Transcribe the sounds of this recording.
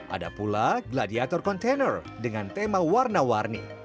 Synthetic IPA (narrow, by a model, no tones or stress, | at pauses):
ʔa̰da̰pulaɡladiat̪ɔrkɔnt̪enər | dəŋant̪emawarnawarnḭ